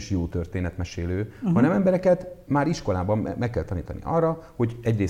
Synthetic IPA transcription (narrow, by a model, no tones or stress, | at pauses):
ʃjoːt̪ørt̪eːnɛt̪mɛʃeːløːhɒnɛmɛmbɛɾɛkɛt̪maːɾiʃko̞laːbɒm̰mɛkːɛlt̪ɒniːt̪ɒnḭʔɒrːɒho̞ɟɛɟreː